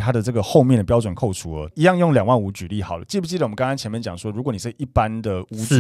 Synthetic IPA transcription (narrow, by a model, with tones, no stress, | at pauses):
t̪ʰa˦˥d̪ə˨t͡sɤ˥˩ɡə˩xo˥˧ʊmjɛ˥˩nd̪ə˩pjɑ˥ʊt͡swə˨˩nkʰo˥˩ʊt͡sʰu˧˦ə˧˦i˧˦jɑ˥˧ŋjŋljɑ˨˩ŋwa˥˩nu˧˥t͡ɕy˨˩li˥˩xɑ˨˩ʊlə̰˦t͡ɕi˥˩pʰu˥˩t͡ɕi˥d̪m˦ŋkɑ˥ŋɑ˥ŋt͡ɕʰɛ˧˦nmjnt͡ɕjɑ˨˩ŋʂwɔ˦˥ɻu˧˥kwni˨˩ʂ̩˥˩˨i˥˩pa˦nd̪ə˨u˧˥˨